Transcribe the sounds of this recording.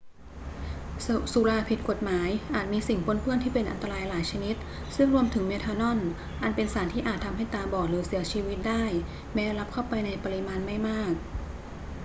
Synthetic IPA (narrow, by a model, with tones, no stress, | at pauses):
su˨˩˦laː˧pʰi˨˩t̪̚ko˨˩t̪̚maː˩˦jʔaː˨˩t̪̚miː˧si˨˩ŋpo˧˥˩npʰɯ˥˩nt̪iː˥˩pe˧nʔa̰˧nt̪a˧ɾaː˧jlaː˩˦jt͡ɕʰa˧ni˦˥t̪̚ | sɯ˥˩ŋɾu˧əmt̪ʰɯ˩˦ŋme˧˥t̪ʰaː˧nɔ˥˩n | ʔa˧npe˧nsaː˩˦nt̪ʰiː˥˩ʔaː˨˩t̪ʰːa˧mɦa˥˩jt̪aː˧bɔː˨˩k̚ɾɯː˩˦si˨˩˦t͡ɕʰiː˧wi˦˥t̪̚daː˥˩j | mɛː˦˥la˦˥p̚kʰa˥˩wpa˧jna˧jpa˧ɾi˧˥maː˧nma˥˩jmaː˥˩k̚